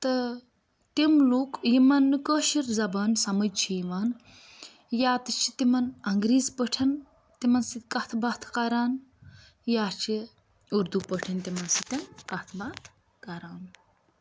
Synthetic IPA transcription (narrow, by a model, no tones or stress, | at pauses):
t̪ɨ | t̪imluːkjimɐnːɨkəːʃiɾzɐbaːnsɐməd͡ʒt͡ʃʰijimaːn | jaːt̪ɨt͡ʃʰi̥t̪imɐnɐŋɡɾiːzpəʈʰɐn | t̪imɐnsit̪ʲkɐt̪ʰbat̪ʰkɐɾaːn | jaːt͡ʃʰi | uɾd̪upəʈʰɐnt̪imɐnsit̪ɐnkɐt̪ʰbaːt̪ʰ | kɐɾaːn